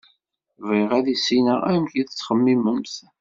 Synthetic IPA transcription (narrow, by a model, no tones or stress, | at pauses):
viʁæðisinəʁæmçiðət͡sːχəmːiməmθ